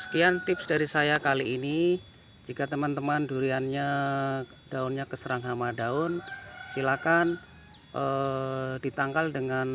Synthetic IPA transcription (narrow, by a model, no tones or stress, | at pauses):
sə̥kiant̪ɪpsdaɾisajakaliːni | d͡ʒikat̪əmant̪əmanduɾianɲa | d̥aʊnɲakəsəɾaŋɦamadaʊnsilakan | ʔə | dit̪aŋkaldəŋan